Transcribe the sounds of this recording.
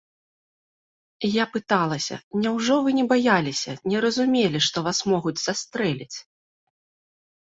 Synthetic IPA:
japɨt̪alˠɐsʲɐ̰nʲɛwʐɔvɨnʲɛbajalʲisʲɐnʲɛɾɐzumʲelʲiʂt̪ɔvasmɔɣud͡zʲz̥ast̪ɾɛlʲit͡sʲ

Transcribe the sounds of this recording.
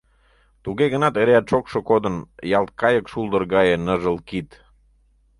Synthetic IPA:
t̪uɣeɣənɑt̪eɾeæt̪ʃokʃŏkod̪ənjɑlt̪̚kɑjəkʃuld̪ərɣɑjenəʒəlkit̪

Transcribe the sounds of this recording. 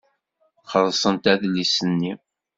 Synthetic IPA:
χəɾˤsˤənt̪æðlːisənːi

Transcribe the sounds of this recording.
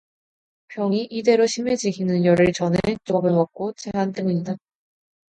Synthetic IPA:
pjʌŋiʔide̞ɾoɕʰime̞d͡ʑiɡʰinɯnjʌɾɯɭt͡ɕʌnet͡ɕobɯwak̚k͈ot͡ɕ͈eɦant͈eŋuɲida

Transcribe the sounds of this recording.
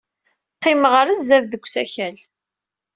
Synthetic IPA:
qːɪməʁəɾəzːæððəɡʷːsæçæl

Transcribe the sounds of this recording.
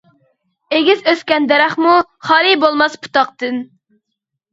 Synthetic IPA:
eɡʲizøskʲɛnd̪ɛɾæχmuχɑːɾibolˠmɑspʰu̥t̪ɑqt̪ɨn

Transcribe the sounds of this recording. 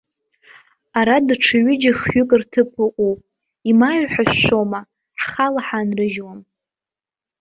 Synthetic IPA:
aɾadʈ͡ʂʰɨɥʏd͡ʒaχɥʏkʼɨrtʰɨpʰɨqʷʼupʼ | imaɥħaʃʷoma | ħχalaħanrɨʒwam

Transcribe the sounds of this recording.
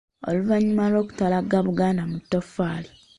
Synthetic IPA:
o̰luvaɲːumalwo̞ːku̥talaɡaβuɡaːndamutːofaːli

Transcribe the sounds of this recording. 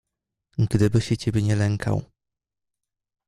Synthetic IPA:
ɡd̪ɘbɘɕɛt͡ɕɛbʲeɲɛlɛŋkʰa̰w

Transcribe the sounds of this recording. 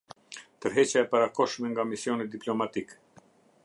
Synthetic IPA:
t̪əɾɦɛt͡ɕaɛpaɾakɔʃmɛŋɡamisjɔnid̪iplɔmat̪ik

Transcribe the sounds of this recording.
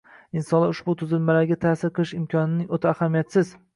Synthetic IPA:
ɪnsɒnlaʊʃbʊt̪ʰʊzɪlmalaɾɡʲat̪ʰasɪɾqʰɨlɪʃɪmkʰʲɒnɪnɪŋot̪ʰaːhamijat̪sɪz̥

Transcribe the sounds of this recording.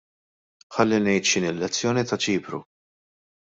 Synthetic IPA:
ħɐlːinɛjt̪ʃɪnɪlːɛt͡sːjɔːnit̪ɐt͡ʃiːpɾṵ

